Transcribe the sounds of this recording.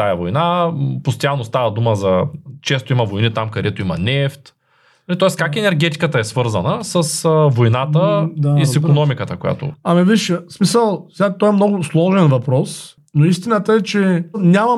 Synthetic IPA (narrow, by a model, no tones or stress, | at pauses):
t̪ajɐvojnapost̪ɐjalˠnost̪avəd̪uməzɐt͡ʃɛst̪oimɐvojnit̪amkɐd̪ɛt̪oimɐnɛft̪ | lit̪ɔɛskakɛnɛɾɡʲɛt̪i̥kət̪ɐɛsvɤɾzənəsɐsəvojnat̪əisikonɔmikət̪əkʊja̰t̪ʊ̰ɐmiviʃsmisəlˠsɛɡat̪ɔɛmnɔɡʊslˠɔʒɛnvɐpɾɔs | noist̪inət̪əɛt͡ʃɛnʲamɐ